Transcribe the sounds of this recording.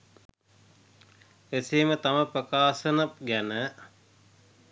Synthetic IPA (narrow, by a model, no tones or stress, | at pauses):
eseːmət̪aməprəkaːsənəp̚ɡænə